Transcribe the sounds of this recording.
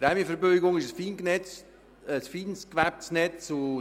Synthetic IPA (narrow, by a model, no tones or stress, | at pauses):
pɾæmjəfəɾbøɪɡʊŋɪʃəsfiːnknɛt͡s | əsfiːnskʋæp̚snɛt͡su